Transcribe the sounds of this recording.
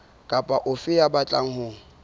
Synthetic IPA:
kʼapʼaʔʊfɪjabat͡ɬʼaŋ̩hʊːŋ̩

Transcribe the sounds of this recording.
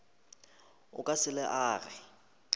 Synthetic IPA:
ʊ̰kʼasɪlɛʔaːrɪ̰

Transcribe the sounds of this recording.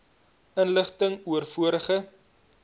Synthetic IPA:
ənləχtəŋuərfuəɾəχə

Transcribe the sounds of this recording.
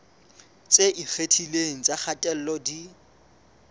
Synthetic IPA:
t͡sʼeʔifetʰileŋ̩t͡sʼaχʰatʼɛl̩lɔdi

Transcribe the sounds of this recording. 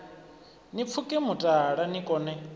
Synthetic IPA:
nip̪fʰukʼimutʼaɺanikʼɔːnɛ

